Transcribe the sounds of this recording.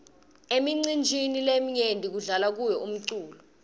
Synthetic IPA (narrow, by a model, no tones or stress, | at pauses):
emiŋ͡ǀind͡ʒʱinilemiɲendʱik̬uɮalak̬ujɛum̩ǀuːlɔ